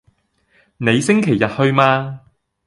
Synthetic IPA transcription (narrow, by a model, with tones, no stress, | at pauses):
ne˨˧jsɪ˥ŋkʰe˨˩jːɐ˨t̚hɵ˧ɥmaː˧